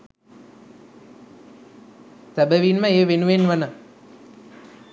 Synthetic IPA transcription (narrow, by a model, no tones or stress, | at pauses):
t̪ɐbɐʋinmɐeːʋenuʋenʋɐnɐ